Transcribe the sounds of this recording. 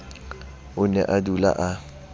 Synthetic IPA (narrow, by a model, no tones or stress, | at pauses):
ʊnɛ̰ʔadula̰ʔa